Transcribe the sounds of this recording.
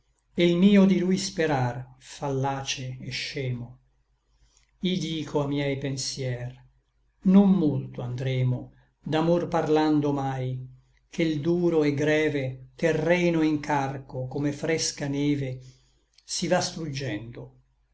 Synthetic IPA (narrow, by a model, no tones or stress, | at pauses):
elmiːod̪ilujspeɾarfalːaːt͡ʃeːʃːɛːmo | id̪iːkʰoamːjɛjpensjɛːr | nomːolt̪oand̪ɾɛːmo | d̪amorparland̪omaj | kʰeld̪uːɾoɛɡɾɛːvet̪erːɛːnoiŋkarkokomefɾɛskanɛːve | sivast̪ɾud͡ʒːɛnd̪o